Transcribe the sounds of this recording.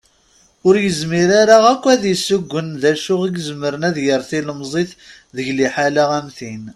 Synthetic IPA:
ʊɾjəzmiɾaɾaʁækʷːæðjəsːʊɡʷːənðæʃʊʁiɡzməɾənæðjəɾθiləmzˤeθ | ðəʝliħalaʁæmθin

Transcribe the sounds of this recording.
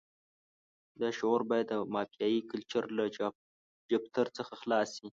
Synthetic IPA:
d̪ɑʃoɾbɑjd̪ːəmɑpjɑjikəlt͡ʃəɾla | d͡ʒap̚t̪ʰəɾt͡səxaxlɑsi

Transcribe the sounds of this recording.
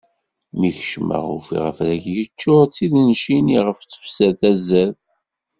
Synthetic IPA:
miçəʃmə̰ʁṵfḭʁəfðæçjət͡ʃːʊɾt͡siðnʃiniʁəft͡sə̥fsæθæzæθ

